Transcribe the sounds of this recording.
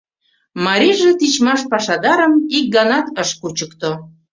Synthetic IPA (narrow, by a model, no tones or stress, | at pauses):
mɑɾiʒet̪it͡ɕmɑʃpɑʃɑd̪ɑɾəmik̚ɡɑnɑt̪əʃkut͡ɕəkt̪o